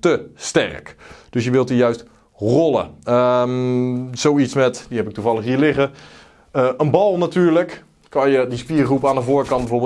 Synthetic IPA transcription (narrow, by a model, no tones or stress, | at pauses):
təstɛ̰rkd̥øsjəʋɪlˠtijœɥst | rɔlˠə̰ə | z̥owitsmɛtdiɦɛpɪk̚tuvɑlˠəχɦiːəlɪχə | əʔənbɑlˠnatyːɹlək | kɑnjədispiːrχrupaːndəvʊːɹkɑn̚bəvoːɹbɪ